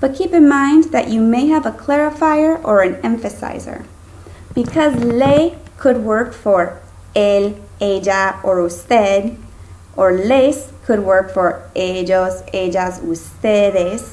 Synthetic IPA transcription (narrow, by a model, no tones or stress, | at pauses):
b̥ʌt̚kʰipɨ̃nmãɪ̃nðɨ̰t͡ʃɨmeɪɨvəkʰl̥ɛɹɨfaɪə˞ʔə˞ɨ̃nɛ̃ɱfɨsa̰ɪzə̰˞ | b̥ɨkʰʌzleɪkʰɨd̚wɜ˞kfə˞ | el | eɪd͡ʒaə˞ustɛd | ʔə˞leskʰɨd̚wɜ˞kfə˞ʔed͡ʒozeɪd͡ʒazustɛɾɛs